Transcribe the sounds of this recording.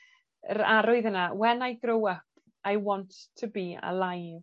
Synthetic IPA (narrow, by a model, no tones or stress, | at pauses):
ə̰ɾaɾʊɨðənawɛnajɡɾowəp | ajwɔnttʰːəbiə̰lˠajv